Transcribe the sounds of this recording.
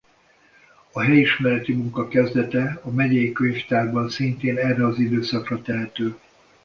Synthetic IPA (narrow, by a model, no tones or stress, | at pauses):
ɒɦɛjiʃmɛɾɛt̪imuŋkɒkɛzd̪ɛt̪ɛɒmɛɟɛjikøɲft̪aːrbɒnsint̪eːnɛrːɛɒzid̪øːsɒkrɒt̪ɛɦɛt̪øː